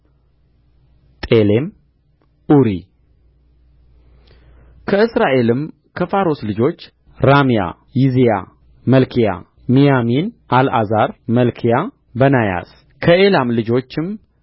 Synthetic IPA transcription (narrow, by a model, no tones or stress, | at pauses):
t̪ʼe̞le̞m | ʔuɾi | kʰəɨsɾaʔe̞lɨm | kʰəfaɾoslɨd͡ʒo̞t͡ʃː | ɾamija̰ | jizija̰ | məlkʰija̰ | mijaminʔalʔa̰zaɾməlkʰija | bənaja̰s | kʰəʔe̞lamlɨd͡ʒo̞t͡ʃːɪm